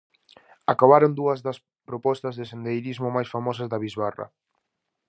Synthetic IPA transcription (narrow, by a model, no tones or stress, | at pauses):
akaβaɾond̪uɐzðɐs | pɾopɔst̪ɐzðesend̪ejɾizmomajsfamɔsɐzðɐβizβarɐ̰